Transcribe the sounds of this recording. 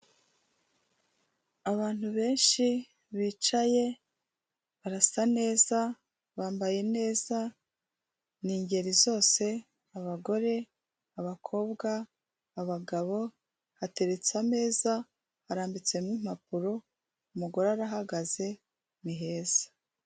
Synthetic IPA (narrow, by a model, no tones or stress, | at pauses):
aβaːn̥huβe̞ːnʃi | βiːt͡ʃaje̞ | βaɾasane̞ːza | βaːmbaje̞ne̞ːza | niːɲɟe̞ɾizo̞ːse̞ | aβaɡo̞ɾe̞ | aβakʰo̞ːbɡaː | βaɡaβo̞ | hate̞ɾet͡same̞ːza | haɾaːmbit͡se̞mŋiːm̥hap̚uɾo̞ | umuɡo̞ɾaɾaɦaɡaze̞ | miɦe̞ːz̥ḁ